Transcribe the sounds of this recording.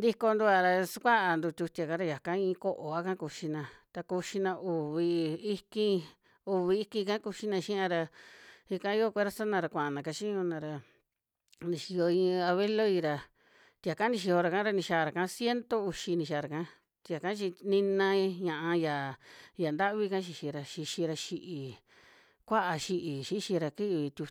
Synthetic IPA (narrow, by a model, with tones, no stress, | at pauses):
nd̪i˧ko˧nd̪u˧a˧ɾa˧su˦kʷa˦ʔa˧nd̪u˧t̪ʲu˧t̪i˧a˧ka˦ɾa˧ja˨kã˦ĩ˧ko˦ʔo˨a˦kã˦ku˧ʃi˧nã˧t̪a˧ku˧ʃi˧nã˧u˨βi˧i˧kĩ˦˧ | u˨βi˧i˧kĩ˧kã˦ku˧ʃi˦nã˧ʃĩ˦ã˧ɾa˧i˧kã˦o˦kʷe˦ɾa˦sa˦nã˧ɾa˧kʷã˨ʔa˧nã˨ka˧t͡ʃĩ˦ɲũ˧nã˧ɾa˧ | nĩ˧ʃi˧jo˧ĩ˧a˧βe˦lo˦i˧ɾa˧ | t̪i˧˨a˨ka˦nĩ˧ʃi˧ho˧ɾa˧kã˦ɾa˧nĩ˧ʃa˧˨˧ɾa˨kã˧˦sje˦nt̪o˦u˧ʃi˧nĩ˧ʃ̬aː˨˧ɾa˨kã˦ | t̪ʲi˧a˨kã˦t͡ʃi˧nĩ˧nã˧i˧ɲã˧˨ʔã˧ja˨ja˨nd̪a˦ʔβi˦˧kã˦ʃ̬i˧ʃi˧ɾa˧ʃi˧ʃĩ˧ɾa˧ʃi˧ʔi˨ | kʷa˦ʔa˧ʃi˧ʔi˨ʃi˦ʃi˧ɾa˧ki˦ʔβi˧t̪ʲu˧